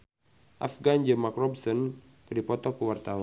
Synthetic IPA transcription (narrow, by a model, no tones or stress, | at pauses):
ʔa̰fɡand͡ʒəmakrɔbsɔn | kɨdipɔt̪ɔkəwart̪awa